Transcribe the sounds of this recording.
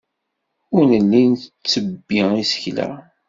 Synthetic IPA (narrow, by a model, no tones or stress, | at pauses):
ʊɾnəlːinθt͡sːəbːiisə̥çlæ̰